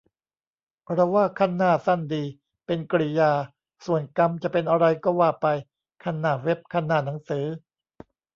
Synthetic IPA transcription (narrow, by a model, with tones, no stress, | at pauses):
pʰɾɔ˦˥waː˥˩kʰa˥˩nːaː˥˩sa˥˩ndiː˧ | pe˧nkɾi˧˩jaː˧ | su˨˩ənka˧mt͡ɕa˨˩pe˧nʔa˧ɾa˧jkɔː˥˩waː˥˩pa˧j | kʰa˥˩nːaː˥˩we˦˥p̚kʰa˥˩nːaː˥˩na˩˦ŋsɯː˩˦